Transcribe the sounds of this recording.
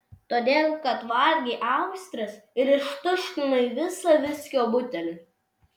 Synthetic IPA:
t̪oːd̪ʲeːlˠkɐt̪ʋɐlʲɡʲɛːʔɑˑʊsʲt̪ʲɾɐsɪɾɪʃt̪ʊʃʲt̪ʲɪnɐiːʋʲɪsɐʋʲɪsʲkʲoːbʊt̪ʲɛlʲɪ

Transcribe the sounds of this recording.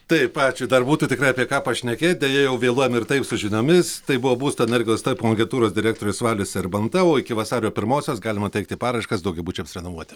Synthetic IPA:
t̪ɐɪpɑːt͡ʃʲʊd̪ɐrbuːt̪uːt̪ʲɪkɾɐɪɐpʲiɛkɑːpɐʃʲnʲɛkʲeːt̪̚ʲd̪ʲɛjɛjɛʊʋʲeːlˠuɔjɛmɪrt̪ɐɪpsʊʒʲɪnʲoːmʲɪst̪ɐɪbʊʋoːbuːst̪oːɛnʲɛrʲɡʲɪlˠoːst̪ɐɪpooŋʲɡʲɛnt̪uːɾoːsd̪ʲɪɾʲæːk̚t̪oːɾʲʊsʋɑːlʲʊsʲɛɪrbɐnt̪ɐoːɪkʲɪʋɐsɑːɾʲɪjoːpʲɪɾmoːsʲoːsɡɑːlʲɪmɐt̪ʲɛɪk̚t̪ʲɪpɑːɾɐɪʃkɐsd̪ɐʊɡʲɛɪbuːt͡ʃʲɛmsɾʲɛnoːʋuɔt̪ʲɪ̥

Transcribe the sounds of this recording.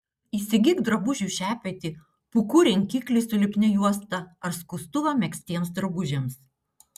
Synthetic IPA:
iːsʲɪɡʲɪkd̪ɾɐbʊʒʲuːˑʃʲæːpʲiɛt̪ʲiː | pʊkuɾʲɛŋʲkʲiːklʲɪsʊlʲɪpʲnʲɛjuɔst̪ɐɐɾskʊst̪ʊʋɐmʲɛksʲt̪ʲiɛns̬d̪ɾɐbʊʒʲɛms

